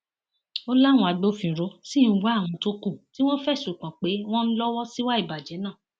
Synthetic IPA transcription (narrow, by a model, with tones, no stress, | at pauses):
o˦la˦˨wɔ̃˧a˧ɡ͡bo˦˨fĩ˨ɾo˨˧˦sĩ˦˨˦wa˨˦˨w̃ɔ̃˧to˦kũ˦˨ti˦w̃ɔ̃˦fɛ˦˨ʃu˨k͡pã˨k͡pe˨˦w̃ɔ̃˦n̩˦lɔ˦wɔ˦si˦wa˦i˦˨ba˨d͡ʒɛ˨˦nãː˦˨